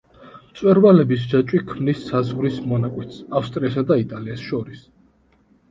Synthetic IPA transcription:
t̪sʼwɛɾvalɛbis̬d͡ʒat͡ʃʼwikʰmnisːazʁɾismɔnakʼwɛt̪safst̪ʼɾiasad̪ait̪ʼaliɛsʃɔɾis

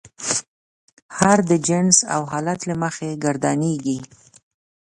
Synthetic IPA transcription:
haɾd̪əd͡ʒɪnsa̰wɦɑlat̪laməxeɡaɾd̪ɑneɡi

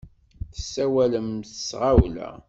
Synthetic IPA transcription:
θə̥sːæwæləmθəsʁawlæ̰

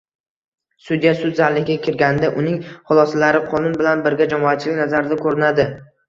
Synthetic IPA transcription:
sʊd̪ijasʊd̪zaɾlɪɡʲakʲʰɪɾɡʲanɪd̪aʔʊnɪŋχʊlˠɒsalaɾɪqʰɒnʊnbɪlanbɪɾɡʲad͡ʒamɒat̪̚t͡ʃʰɪlɪkʲnazaɾɪd̪akʰɵɾɪnad̪ɪ

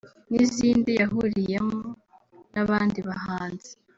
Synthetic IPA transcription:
niziːndijaɦuɾijemo | naβaːndiβahaːnze

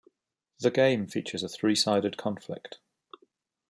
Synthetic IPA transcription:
ðəɡẽɪ̃ɱfiˑt͡ʃəzəθɹiːsaɪɾɪd̚kʰɒ̃nflɪ̰k̚t

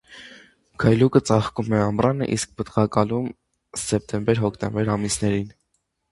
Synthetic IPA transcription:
kʰɑjlukət͡sɑχkumɛɑmrɑnə̰ʔḭsk̚pət̪ʁɑkɑlum | sɛp̚t̪ɛmbɛɾɦɔkʰt̪ɛmbɛɾɑmisnɛɾin

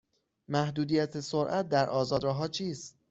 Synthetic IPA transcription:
mæhd̪uːd̪ijæt̪ʰesoɾʔæt̪̚d̪æɾʔɒːzɒːd̪ɾɒːɦɒːt͡ʃʰiːst̪

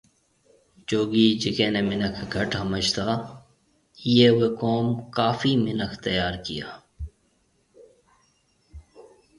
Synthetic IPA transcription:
t͡ʃoːɡiːd͡ʒɪkẽːneːmɪnəkʰɡʱəʈɦɐməd͡ʒt̪aː | jeːʊweːkoːmkaːfiːmɪnəkʰt̪əjaːɾkijaː

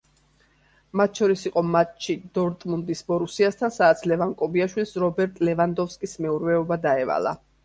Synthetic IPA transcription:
mat̪̚ʰʃɔɾisiqʼɔmat͡ʃʰid̪ɔɾt̪ʼmund̪isbɔɾusiast̪ʰansadːt̪sʰlɛvaŋkʼɔbiaʃwilˠsɾɔbɛɾt̪ʼlɛvand̪ɔfskʼismɛuɾvɛɔbad̪aɛva̰lˠa̰

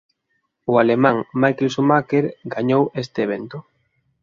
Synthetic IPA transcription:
ʊalemãŋmajkelsomakeɾɡaɲowest̪eːβ̞ent̪ʊ

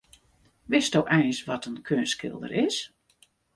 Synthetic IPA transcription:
ʋɪsdowʔɛjnsʋɔtənkʰøːnskɪ̰lˠdə̰ɾʔɪs

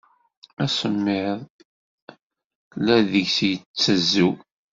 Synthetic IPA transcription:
æsəmːɪðˤ | læðəʝsjt͡sːəzːu

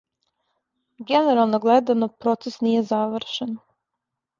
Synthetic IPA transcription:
ɡene̞ɾalˠnoɡled̪anopɾo̞t̪sesnije̞zaʋr̩ɾ̩ʃen

